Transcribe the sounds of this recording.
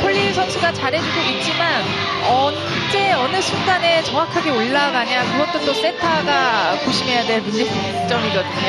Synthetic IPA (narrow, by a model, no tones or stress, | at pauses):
pʰoʎːisʰʌnsʰuɡat͡ɕaɾɦe̞d͡ʑuɡoʔit̚t͡ɕ͈iman | ʌ | ɯt͡ɕ͈e̞ʌnɯsʰunɡane̞t͡ɕʌŋwakʰaɡeoɭːaɡaɲakɯɡʌt̚t͈ont͈os͈e̞tʰaɡakoɕʰimɦe̞jadweɭmund͡ʑipu | t͡ɕ͈ʌmiɾʌtɯn